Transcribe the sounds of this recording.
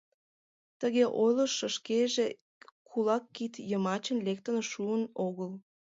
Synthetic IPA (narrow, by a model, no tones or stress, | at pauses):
t̪əɣeʔojləʃəʃkeʒe | kʰulɑkːit̪jəmɑt͡ɕənlek̚t̪ənoʃuənoɣəl